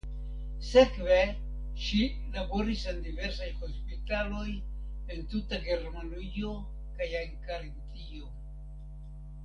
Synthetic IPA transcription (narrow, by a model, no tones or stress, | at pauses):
se̞kve̞ | ʃi | labo̞ɾisendive̞ɾsajho̞spitalo̞j | entutaɡe̞ɾmanio̞ | kajaŋkaɾintio̞